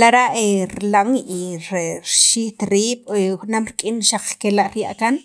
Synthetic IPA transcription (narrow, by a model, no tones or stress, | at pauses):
laɾaʔeɾlaŋiɾeɾʃiht̪ɾiːɓ̥xnamɾkʼinʃaq͡χkelaʔɾjaʔkan